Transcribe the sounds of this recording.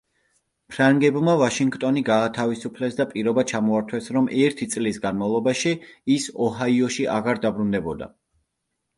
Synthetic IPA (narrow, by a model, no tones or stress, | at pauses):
pʰɾaŋɡɛbmavaʃiŋɡt̪ʼɔniɡaːt̪ʰavisupʰlɛsd̪apʼiɾɔbat͡ʃʰamɔaɾt̪ʰwɛsɾɔmʔɛɾt̪ʰit̪sʼlisɡanmavlˠɔbaʃiːsɔɦaiɔʃiʔaɣaɾd̪abɾund̪ɛbɔd̪a̰